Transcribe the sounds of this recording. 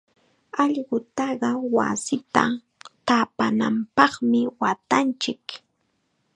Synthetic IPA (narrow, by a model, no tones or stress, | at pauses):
ɑʎɢʊt̪ɑɢɑwa̰sɪt̪a̰ | t̪apana̰mpɑχmɪwat̪ant͡ʃɪk